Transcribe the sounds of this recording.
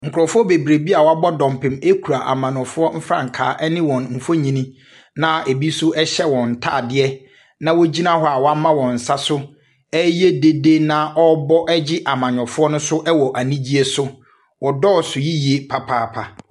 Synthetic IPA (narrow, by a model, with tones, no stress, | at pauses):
ŋ̩˨kʰʊ˨ɾɔ˨fʊ˦ɔ˦be˨bɾe˨bi˦a˨wa˦bɔ˦dɔ̃˨mpɪ̃˨me˦kʰu˨ɾa˨ʔa̰˨mã˨nɔ̃˨fʊ˦ɔ˦m̩˦fɾã̰˦˨ŋ˨kʰa̰ː˨˦ʔɛ˦nɪ̃˦wɔ̃˨nm̩˨fo˦ɲĩ˨nĩ˦ | nã˨e˨bi˦sʊ˦ʔɛ˦ɕɛ˦wɔ̃˨n̩˨tʰa̰ː˦˨dɪ˦ɛ˦ | nã˦wɔ˦d͡ʑi˦nã˦hɔ˦a˨wɔ˨a˦mã˦wɔ̃˨n̩˨sa˦sʊ˦ | ɛ˦je˦de˦de˦nã˦ʔɔ˦bɔ˦ʔɛ˦d͡ʑɪ˦ʔa˨mã˨ɲ˨ɔ̃˨fʊ˦ɔ˦nʊ̃˦sʊ˦ʔɛ˦wɔ˨ʔa˨nĩ˦d͡ʑi˦e˦sʊ˦ | wɔ˨dɔː˦˨sʊ˨ji˦ji˨e˦pʰa˦pʰaː˨˦˨pʰa˨